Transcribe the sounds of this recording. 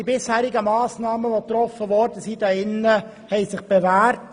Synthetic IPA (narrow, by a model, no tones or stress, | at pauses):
ibɪshæːɾɪɡəmɑːsnɑːməʋot̪ɾɔfəʋɔɾdəsid̥ɑɪnːə | hɛɪsɪχb̥evæːɾt